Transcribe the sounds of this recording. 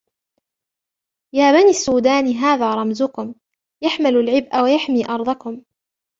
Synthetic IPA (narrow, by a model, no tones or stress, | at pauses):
jaːbaniːasːuːd̪aːnɦaːðaːɾˤɑmzʊkʊm | jaħmalʊlʕɪbʔawajaħmiːʔɑɾˤd̪ˤɑkʊm